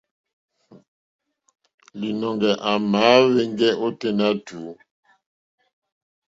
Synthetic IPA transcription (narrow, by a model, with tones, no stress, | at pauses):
li˨nɔ˨ŋɡɛ˨ʔa˨maː˨˦βe˦ŋ˦ɡɛ˦ʔo˦te˦na˦tu˨˦